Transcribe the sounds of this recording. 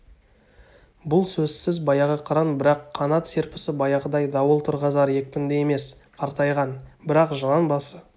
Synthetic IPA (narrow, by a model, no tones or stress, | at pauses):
bʊlˠsɵzsɪzbɑjɑʁəqʰɑɾɑnbɪɾɑqʰːɑnɑt̪se̞ɾpɪ̥sɪbɑjɑʁəd̪ɑjd̪ɑwəlˠt̪ʰʊɾʁɑzɑɾje̞k̚pɪnd̪eje̞me̞sqʰɑɾt̪ɑjʁɑnbɪɾɑqʒəlˠɑnbɑsə